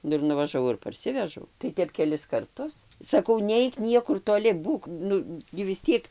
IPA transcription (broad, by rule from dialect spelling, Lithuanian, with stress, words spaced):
ˈnʊ ɪr nʊʋɐʒɐˈʋɐʊ ɪr pɐrʲˈsʲɪʋʲɛʒɐʊ tɐɪ ˈtʲɛp kʲɛˈlʲɪs kɐrˈtʊs sɐˈkɐʊ ˈnʲɛɪk ˈnʲiɛkʊr toːˈlʲɪ ˈbuːk ˈnʊ ɡʲɪ ʋʲɪs ˈtʲiɛk